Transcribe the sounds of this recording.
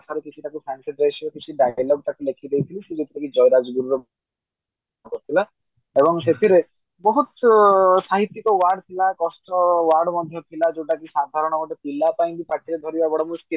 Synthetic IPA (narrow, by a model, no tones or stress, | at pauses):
t̪ʰaɾekit͡ʃʰiʈakusanseʈɾajt͡ʃʰibɔkit͡ʃʰiɖajlɔp̚ʈakulekʰid̪ejt̪ʰilised͡ʒet̪ʰiʈakid͡ʒɔjɾad͡ʒɡuɾuɾɔ | akɔɾt̪ʰila | ebɔŋset̪ʰiɾe | bɔɦut̪saɦit̪ːikɔwaɾɖt̪ʰilakɔsʈɔwaɾɖmɔd̪ʱjɔt̪ʰilad͡ʒewʈakisad̪ʱaɾɔɽ̃ɔɡɔʈet̪ilapaj̃nb̪ipaʈʰiɾed̪ʱɔɾibabɔɽɔmuskil